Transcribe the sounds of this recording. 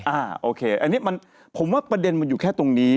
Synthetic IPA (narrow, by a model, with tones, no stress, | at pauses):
ʔaː˧˩ʔoː˧kʰeː˧ʔa̰˧nːi˦˥ma˧n | pʰo˨˩˦mwaː˥˩pɾa˧de˧nma˧njuː˨˩kʰɛː˥˩t̪o˧ŋniː˦˥